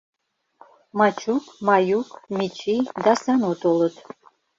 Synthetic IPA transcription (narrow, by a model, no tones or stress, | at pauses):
mɑt͡ʃukmɑjukmʲit͡ʃid̪ɑsɑnot̪olət̪